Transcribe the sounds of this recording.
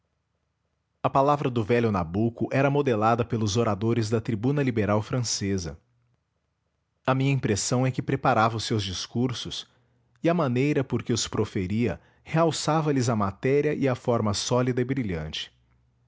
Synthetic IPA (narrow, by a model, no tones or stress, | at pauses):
ɐpalavɾɐd̪ʊvɛlʲjʊnabukʊʔɛɾɐmod̪elad̪ɐpelʊzoɾad̪oɾɪzd̪ɐt̪ɾibũnɐlibeɾawfɾɐ̃sezɐ̰ | ɐmĩɲɐĩpɾesɐ̃w̃ɛkɪpɾepaɾavɐʊsewzd͡ʒiskuɾsʊs | ɪɐmɐ̃nejɾɐpoɾkɪʊspɾofeɾiɐ̰ | heawsavɐlɪzɐmat̪ɛɾiɐʔɪɐfɔɾmɐsɔlid̪ɐɪbɾiʎɐ̰̃nt͡ʃɪ̥